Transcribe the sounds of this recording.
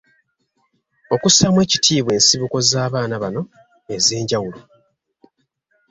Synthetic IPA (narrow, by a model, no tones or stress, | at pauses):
o̞kusamwe̞ːcitʰiːβwe̞ːnsiβuko̞zaːβaːnaβano̞ | e̞ze̞ːɲɟawulo